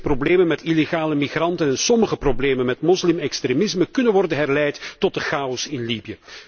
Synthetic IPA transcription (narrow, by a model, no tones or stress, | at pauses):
probleːmənmɛtileɣaːləmixrɑntənɛnsɔməɣəprobleːmənmɛtmɔslɪmɛkstɾemɪzməkɵnənʋɔrdənɦɛrlɛjttɔt̚dəχaːɔsɪnlibijə